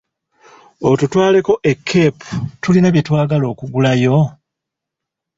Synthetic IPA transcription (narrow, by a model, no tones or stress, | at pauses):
otutwaːle̞ko̞ʔe̞kʰːe̞ːputulinaβjetwaːɡalo̞ːkuɡulajo̞